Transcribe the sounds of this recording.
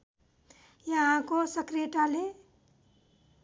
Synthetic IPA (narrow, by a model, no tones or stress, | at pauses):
jəɦãkosəkɾeʈale